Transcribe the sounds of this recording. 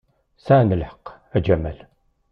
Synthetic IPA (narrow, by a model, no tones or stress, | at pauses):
sanəlħə̥q | æd͡ʒæmæl